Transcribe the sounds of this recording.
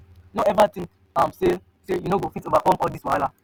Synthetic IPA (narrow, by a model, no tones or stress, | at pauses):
noɛvatĩŋk | ãmse | sejunoɡofitovakɔ̃mɔldiswaala